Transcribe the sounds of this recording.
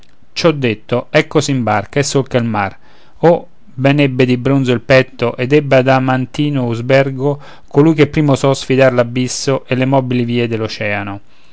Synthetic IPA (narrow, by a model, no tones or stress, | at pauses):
t͡ʃɔd̪ːet̪ːoɛkːosimbarkaesːolkailmar | o | benɛbːed̪ibɾonzoilpɛt̪ːoʔed̪ɛbːead̪amant̪iːnouzbɛrɡo | kolujk̟epːɾiːmosɔsfid̪arlabːisːoʔelemɔbiliviːed̪elot͡ʃɛːano